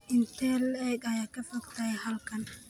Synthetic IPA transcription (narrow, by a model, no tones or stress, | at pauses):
ʔɪnt̪ʰɛlɛːɡɐjaːkʰɐfɐɡt̪ʰɐhɐlkʰɐn